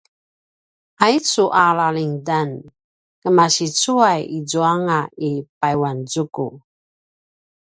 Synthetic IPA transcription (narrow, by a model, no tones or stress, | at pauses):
ait͡suʔalaliŋdan | kəmaɕit͡suajid͡zuaŋaipajwanzuku